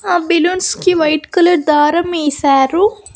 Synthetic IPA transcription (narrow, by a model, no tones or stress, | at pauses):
aːbelunskiʋɐjʈkɐlɐɾd̪aːɾɐmeːsaːɾu